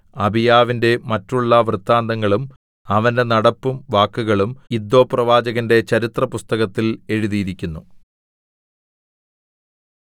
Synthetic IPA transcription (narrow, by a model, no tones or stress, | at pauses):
ɐbʱijaːʋinde̞mɐtːuɭːɐʋrɨt̪ːaːnd̪ɐŋːɐɭum | ɐʋɐnde̞nɐɽɐpːumʋaːkːuɣɐɭumid̪ːo̞ːprɐʋaːd͡ʑɐɣɐnde̞t͡ɕɐɾit̪rɐpust̪ɐɣɐt̪ːile̞ɻuðijiɾikʲːunːu